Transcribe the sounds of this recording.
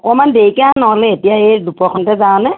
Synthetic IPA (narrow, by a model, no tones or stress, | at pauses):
ɔkɔmandeikɛãnɔɦɔlɛetijaedupɔkʰɔntɛzaw̃nɛ